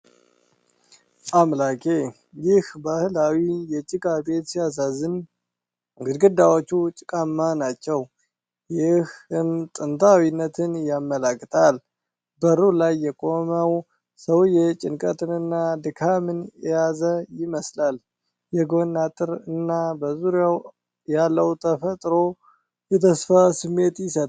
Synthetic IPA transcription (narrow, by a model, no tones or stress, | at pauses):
ʔamlakʼe̞ | jɪhbahɨlawijɛt͡ʃʼɪkʼabe̞t̪sijas̬azɨn | ɡɨd̪ɡɨd̪awot͡ʃːut͡ʃʼɪkʼamːanat͡ʃːɛw | jɪhɨmt̪ʼɨnt̪ʰʼawinːət̪ʰɨnjamːəlakʼːt̪ʰal | bəɾulajːɛkʼo̞məw | səwjɛt͡ʃʼɪnkʼət̪ʰɨnɨnːad̪ɨkʰamɨnjɛjazəjɪməslal | jɛɡonːat̪ʼɨɾɨnːabəzuɾjaw | jalːəwt̪ʰəfət̪ʼɾo̞ | jɛt̪ʰəsfasɨmːe̞t̪jɪsət̪ʼ